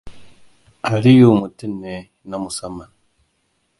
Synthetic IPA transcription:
a˨ɾi˦ju˦˨mu˨ti˦nːe˨˦na˦mu˨sa˦mːa˨n

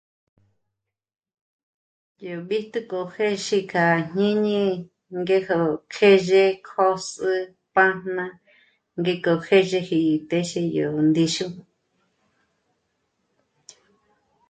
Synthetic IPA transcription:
jo˨ɓi˦t̪u˦ko˨he˦ʃi˧kʰa˨ɲɲĩ˦ɲĩ˦ | ŋɡe˦ho˧˨kʰe˦ʒe˦˧kʰo˦sɨ˧ | pa˦nnã˧ | ŋɡe˧ko˨kʰe˦ʒe˧hi˧˨t̪e˦ʃe˧jo˨nd̪i˧ʃũ˦

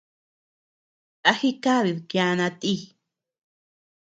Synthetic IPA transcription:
t̪a˧xi˦ka˦βi˨ðkja˧nã˧t̪ʼi˦˨

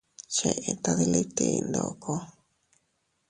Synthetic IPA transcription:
t͡ʃe˧ʔe˧t̪a˧ði˧li˦t̪i˧i˧nd̪o̰˧ʔkʰo˧

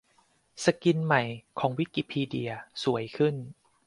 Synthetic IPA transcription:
sa˧ki˧nma˨˩jkʰɔː˩˦ŋwi˦˥kiː˧˩pʰiː˧di˧ɐsu˨˩˦əjkʰɯ˥˩n

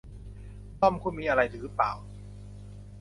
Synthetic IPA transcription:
tɔ˥˩mkʰuː˧˥˩miː˧ʔa˧ɾa˧jt̪ʰɯː˨˦pa̰ː˨˩w

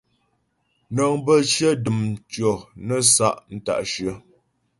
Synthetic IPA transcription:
nə˨ŋbə˦˨ʃjə˦dɨ˨mt͡ʃɔ˨nə˦sa˦ʔn̩˦ta̰˨ʔʃɥə˨

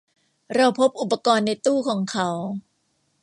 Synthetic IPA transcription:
ɾa˧wpʰo˦˥p̚ʔu˨˩pːa˧kɔː˧nːa˧jt̪uː˥˩kʰɔː˩˦ŋkʰa˦˥w

